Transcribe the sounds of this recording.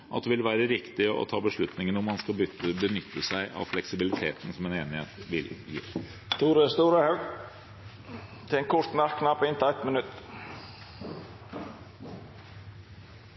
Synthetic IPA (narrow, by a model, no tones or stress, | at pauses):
ʔɑ̰t̪̚d̪ɛʋɪlʋæːɾəɾɪkt̪ɪʔɔ̰t̪ʰɑːbəʂɭʉt̪nɪŋənɔmːɑnskɑbʏbənʏt̪ʰːəsæɪʔɑ̰ʋflɛksɪbɪlɪt̪ʰeːt̪ən̩sɔmɛːneːnɪhḛːt̪ʋɪljḭː | t̪ʰuːɾəst̪uːɾəhɛɡ | t̪ʰɛŋkʰɔʂt̪næɾkʰːnɑpːɪnt̪ɛt̪ːmənʉt̪ː